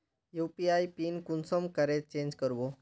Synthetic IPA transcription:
jupiajpinkunsɔmkəɾet̪̚t͡ɕẽɲd͡ʑkəɾʋo

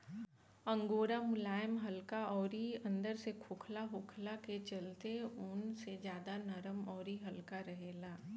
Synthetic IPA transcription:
ə̃ŋɡoːɾamʊlaːjəmɦɐlkaɔːɾiɐ̃nd̪əɾsekʰʊkʰlaɦʊkʰlaket͡ʃɐlt̪eʊnsed͡ʒjaːd̪anəɾəmɔːɾiɦɐlkaɾəɦeːlaː

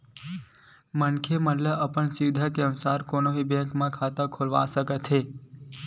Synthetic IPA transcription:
mənkʰemənləʔəpəɳsiʋd̪ʱakeənsaɾkonoɦibɛ̃kmãkʰat̪ə̃kʰolʋa̰səket̪ʰe

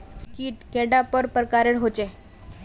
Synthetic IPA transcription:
kiːʈkeɽapəɾpəɾkaɾeɽɦot͡ɕe

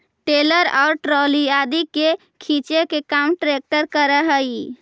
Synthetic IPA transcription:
ʈeləɾaʊɾʈɾoliad̪ike | kʰĩt͡ʃekekamʈɾek̚ʈəɾkəɾəɦəj

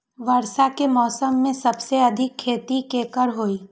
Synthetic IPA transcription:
ʋəɾsakemɔːsəmːẽsɐbseɐd̪ʱɪkʰːeːt̪ikeːkəɾɦoːiː

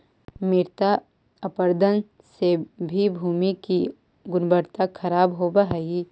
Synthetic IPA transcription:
mɪɾt̪a | əpəɾd̪ʱən | sebʱibʱuːmiki | ɡʊnbəɾt̪akʰɐɾaːbɦoːbəɦəi

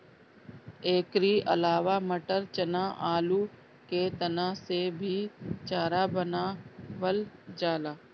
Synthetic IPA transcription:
eːkɾiʔɐ̰laːʋaməʈəɾt͡ʃənaʔaːlu | ket̪ənasebʱit͡ʃaːɾabənaʋəld͡ʒaːlaː

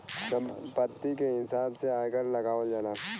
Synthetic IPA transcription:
sɐmpɐt̪ːikeɦɪsaːbseaːjkəɾlɐɡaːʋəld͡ʒaːnaː

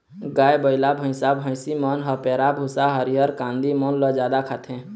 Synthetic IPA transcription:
ɡaːjbəɪlabʱə̃ɪ̃sabʱə̃simɔːnɦəpɛːɾabʱusaɦəɾiɦəɾkãːnd̪imɔnləd͡ʒjaːd̪akʰat̪ʰɛ̃ː

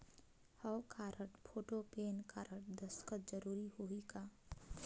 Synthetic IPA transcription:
həwkʰaɾəʈpʰoʈopenkaɾəʈ̚d̪əskət̪̚d͡ʒəɾuɾihoika

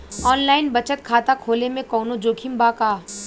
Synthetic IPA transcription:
ɔːnlaːɪnbɐt͡ʃət̪̚kʰaːt̪akʰoːlemẽkɔːnod͡ʒoːkʰimbakaː

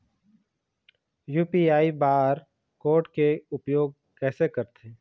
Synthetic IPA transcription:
juːpiaːibaːɾ | koːʈkeʊpjoːɡ̚ | kɛːsekəɾt̪ʰeː

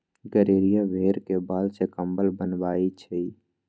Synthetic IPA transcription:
ɡəɾeːɾijabʱeːɾkebaːlsekəmbəlbənbaːit͡ʃʰɛi

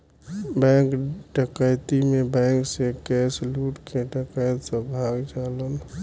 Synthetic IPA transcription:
bɛ̃ŋkʈəkəjt̪imebɛ̃ŋksẽkɛsluʈkʰeʈəkəjt̪səbʱaɡd͡ʒalən

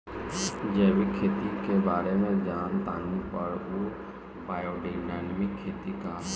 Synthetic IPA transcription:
d͡ʒeːwikʰːeːt̪ikebaːɾemẽd͡ʒaːnt̪a̰ːnipɐɽu | paːjoːɖinaːnmɪkʰːeːt̪ikaː

